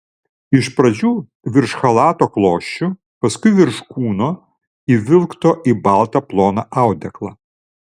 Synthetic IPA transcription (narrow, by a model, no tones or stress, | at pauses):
ɪʃpɾɐd͡ʒʲuː | ʋʲɪɾʃxɐlˠɑːt̪oːklˠoːʃʲt͡ʃʲʊ | pɐskʊɪʋʲɪɾʃkuːnoː | iʋʲɪlˠkt̪oːʔiːbɑˑlˠt̪ɐplˠoːnɐʔɑˑʊd̪ʲɛklˠɑː